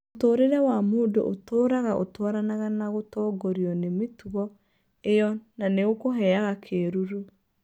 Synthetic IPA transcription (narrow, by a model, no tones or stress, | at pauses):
otoːɾeɾɛwamoːdoʔotoːɾaɣaʔotwaɾanaɣanaɣotɔːɡoɾiɔnemetuɣɔ | ejɔnaneɣokoɦɛaɣakʰeɾuɾu